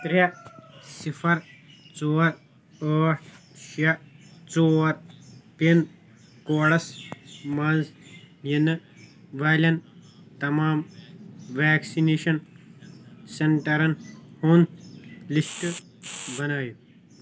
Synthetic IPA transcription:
t̪ɾasifʰɐɾt͡soːɾ | oː | ʃat͡soːɾpen | koːɽɐsmɐnz | jinɨ | ʋaːlʲɐnt̪ɐmaːm | ʋaːksineːʃɐn | seɳʈɐɾɐnhoːnlisʈ | bɐnaːju

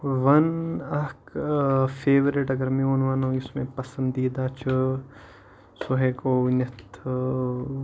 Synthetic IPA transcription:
ʋɐnɐk | fʰeːʋɾɪʈɐɡɐɾmẽoːnʋanõɪsmẽpɐsɐ̃nd̪iːd̪aːt͡ʃʰɨ | soɦeːkoːnɐt̪ʰ

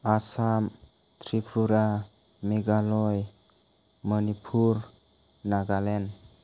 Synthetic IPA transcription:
asam | t̪ʰɾipʰuɾa | meɡalɔj | mənipʰuɾ | naɡalen

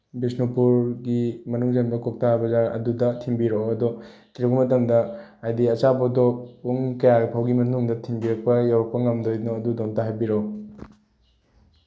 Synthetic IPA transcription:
bisnopuɾɡimɐnuŋzenbɐkok̚tabɐzaɾɐ̰dudɐtʰimbiɾoɐdɔ | tɾeɡumɐtɐmdɐajdiɐt͡ʃabɐdɔuŋkɐjaɡpʰawɡimɐnuŋdɐtʰiŋbiɾɐk̚pɐjawɾɐk̚pɐŋɐmdojnoɐdudontaɦajbiɾo

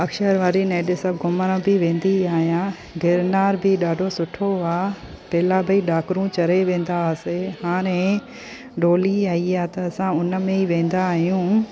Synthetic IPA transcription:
ɐkʃəɾʋaːɾineːɗesɐbɡʊməɾə̃bɪʋẽːn̆d̪iaːɦijã | ɖʱeɾnaːɾbɪɗaːɖʱosʊʈʰoaː | pɛːlabɐiɗaːkɾũt͡ɕɐɾeʋẽːn̆d̪aseɦaːɾ̃ẽ | ɖoːliaːiaːt̪ɐːsãʊnəmẽiʋẽːn̆d̪aːɦijũː

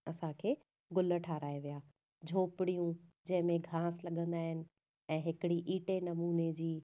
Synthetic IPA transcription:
ɐsãkʰeː | ɡʊlə̆ʈʰaːɾaːeʋijaː | d͡ʑʱoːpɪɽijũd͡ʑɐ̃ɦɪ̃mẽɡʱaːslɐɠə̃nd̪aːɦɪnɪ̆ | ɛ̃ːɦɪkɪɽiʔiːʈenɐmuːned͡ʑiː

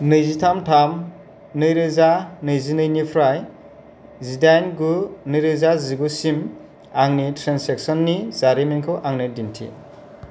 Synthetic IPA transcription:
nɯjzitʰamtʰam | nɯjɾɯzanɯjzinɯjnipʰɾaj | zidajnɡunɯjɾɯzaziɡusim | aŋnitʰɾansek̚sɔnːizaɾiminkʰɯwʔaŋnɯdintʰḭ

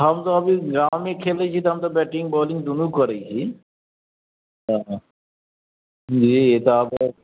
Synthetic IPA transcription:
ɦamt̪oɐbiɡɾawmekʰelet͡ɕʰit̪ɔɦamt̪obɛʈiŋbɔliŋd̪unukːɔɾejt͡ɕʰi | ɦã | d͡ʑiet̪oap

